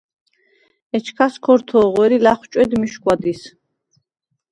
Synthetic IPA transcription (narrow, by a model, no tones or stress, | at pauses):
ɛt͡ʃʰkʰaskʰɔɾt̪ʰɔːʁɛɾilaχt͡ʃʼwɛd̪miʃkʼwad̪is